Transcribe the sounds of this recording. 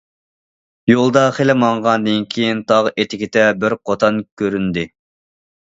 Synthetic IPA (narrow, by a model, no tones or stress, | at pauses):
jolˠd̪ɑχelɪmɑɴʁɑnd̪ɪnkʲʰijint̪ʰɑʁʔet̪ʰɪkʲɪt̪ɛbɪɾqʰot̪ʰɑnkʲʰøɾynd̪ɪ